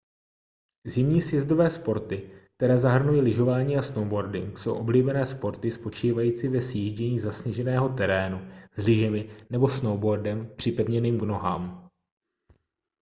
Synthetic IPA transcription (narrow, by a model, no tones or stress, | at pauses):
zɪmɲiːsjɛzdo̞vɛːspo̞ɾt̪ɪk̚t̪ɛɾɛːzaɦr̩nujilɪʒo̞vaːɲiːasnowbo̞ɾdɪ̰ŋkso̞wʔo̞bliːbɛnɛːspo̞ɾt̪ɪspo̞t͡ʃiːvajiːt͡sɪvɛsjiːʒɟɛɲiːzasɲɛʒɛnɛːɦo̞t̪ɛɾɛːnuzlɪʒɛmɪnɛbo̞snowbo̞ɾdɛmpr̥ɪpɛvɲɛniːmɡno̞ɦa̰ːm